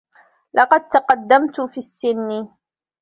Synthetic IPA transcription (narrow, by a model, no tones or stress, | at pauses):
lʔɑqɑd̪̚t̪ɑqɑd̪ːamt̪ʊfiːsːɪnːɪ